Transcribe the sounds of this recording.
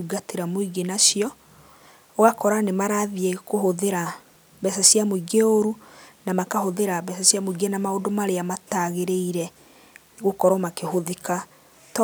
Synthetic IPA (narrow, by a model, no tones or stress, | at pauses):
uɡateɾamoiɣenaʃiɔ | ɔɣakɔɾanemaɾaðiekohoðeɾa | bɛsasjamoiɡeoɾunamakahoðeɾaβɛs̬asjamoiɣenamaondomaɾeamataɣeɾeiɾɛ | ɣokɔɾɔmakehoðika | t